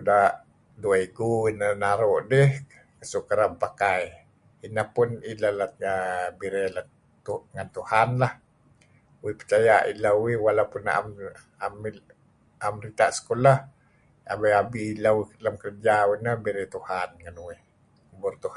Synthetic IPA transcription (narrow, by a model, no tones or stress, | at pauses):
daʔ | duaiɡuinənaɾɔʔdɛh | kəsukəɾampakaj | inapunilalaəbiɾɛla | t̪uŋant̪uhanlah | uipət͡ʃajaʔḭlauwihwalapuna̰m | ami | amrit̪aʔsə̥kolah | a̰baabilalamkərd͡ʒauwinabiɾɛt̪uhanŋanuwih | uburt̪uha